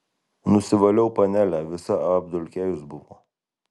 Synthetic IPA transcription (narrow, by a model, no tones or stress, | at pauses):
nʊsʲɪʋɐlʲɛʊpɐnʲælʲæʋʲɪsɐɐɐbd̪ʊlʲkʲæːjʊsbʊʋo̰ː